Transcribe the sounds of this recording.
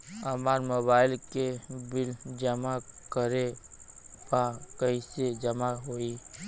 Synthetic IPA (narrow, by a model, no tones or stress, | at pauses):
əmaːɾmobaːɪlkebɪld͡ʒəmakəɾe | pakəɪsed͡ʒəmaɦoi